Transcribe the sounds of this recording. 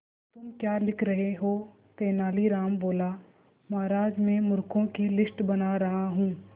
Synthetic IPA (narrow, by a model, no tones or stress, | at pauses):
t̪ʊmkjaːlɪkʰɾɐɦeɦoː | t̪eːnaːliɾaːmboːla | maːɾaːd͡ʒmẽmʊɾkõkilɪsʈbɐnaɾɐɦaɦũː